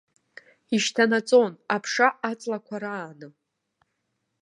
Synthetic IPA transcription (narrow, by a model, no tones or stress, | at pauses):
iʃtʰanat͡sʼo̞napʰʂaat͡sʼlakʷʰaɾaːnɨ